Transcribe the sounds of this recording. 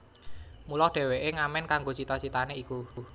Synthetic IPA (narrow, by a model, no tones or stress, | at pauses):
mulɔhd̥ɛ̤weʔeŋamɛnkaŋɡot͡ʃit̪ɔt͡ʃit̪aneiku